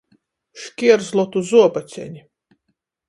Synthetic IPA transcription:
ʃkʲiɛɾzlˠɔt̪uzuɔbat̪sʲɛ̰ɲʲi

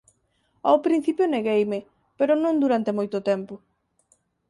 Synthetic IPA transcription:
awpɾin̟θipjoneɣejmɪ | peɾʊnõnd̪uɾant̪emojt̪ʊt̪ɛmpʊ

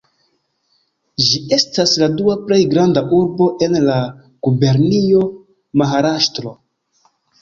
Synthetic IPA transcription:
d͡ʒiʔe̞stasladuaple̞jɡɾandaʔuɾbo̞ʔe̞nla | ɡ̥ube̞ɾnio̞ | maɦaɾaʃtɾo̞

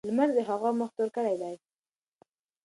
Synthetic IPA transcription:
lmaɾd̪əɦaɣɑməxt̪oɾkəɽajd̪aj

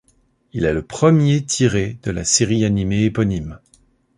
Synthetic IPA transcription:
ilɛləpχəmjet̪ʰiʁed̪əla̰seʁianimeːpɔnim

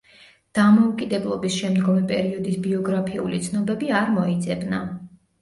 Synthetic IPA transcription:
d̪̥amɔukʼid̪ɛblˠɔbisʃɛmd̪ɡɔmɛpʼɛɾiɔd̪isbiɔɡɾapʰiṵlit̪sʰnɔbɛbiaɾmɔid̪zʼɛbna

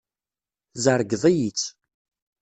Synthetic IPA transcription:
zəɾˤɡðˤijit͡sː

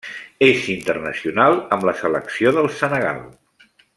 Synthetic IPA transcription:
ezint̪ərnə̰siunalˠəmləsələ̰ksioðəlˠsənəɣ̞a̰lˠ

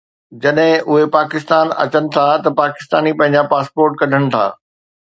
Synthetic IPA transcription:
d͡ʑɐɗɦɪ̃ʔʊɦepaːkɪst̪aːnɐ̰t͡ɕənɪ̆t̪ʰat̪ɐpaːkɪ̥st̪aːnipɐ̃ɦɪ̃ɲd͡ʑapaːspoːɾʈkɐɖʱəɽ̃ɪ̆t̪ʰa̰ː

